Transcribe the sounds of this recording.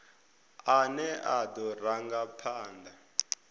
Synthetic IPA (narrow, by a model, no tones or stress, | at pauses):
anɛadɔraŋɡapʰaːnda